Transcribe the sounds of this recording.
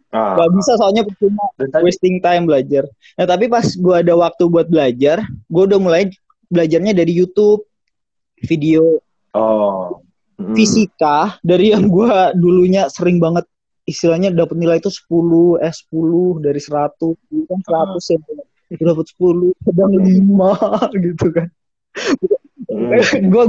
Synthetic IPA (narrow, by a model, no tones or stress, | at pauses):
ɡabisasaaɲapərt͡ʃumawest̪ɪŋt̪ajmbəlad͡ʒar | nat̪ap̬ipasɡuaːdawak̚t̪ubuat̪̚bəlad͡ʒarɡuaudahmula | bəlad͡ʒarɲadaɾijut̪ʊp̚ | fideo | fisikadaɾijaŋɡuaduluɲasəɾɪŋbaŋət̪̚ | ist̪ilahɲadapət̪̚nilajt̪usə̥pulʊhɛsə̥pulʊhdaɾisəɾat̪ʊsɡuukansəɾat̪ʊsjaŋa | dapət̪sə̥pulʊhkadaŋlimaɡit̪ukan | ɡua